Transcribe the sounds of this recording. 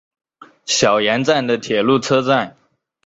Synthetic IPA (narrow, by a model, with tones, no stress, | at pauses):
ɕjɑ˨˩ʊjɛ˧˥nt͡sa˥˩nd̪ə˩t̪ʰjɛ˨˩lu˥˩t͡sʰɤ˥t͡sa˥˩n